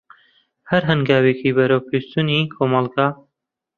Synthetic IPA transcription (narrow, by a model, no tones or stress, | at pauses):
hɐɾɦɨnɡaːweːkʰiːbɐɾəwpʰest̪unikʰomɑlˠɡaː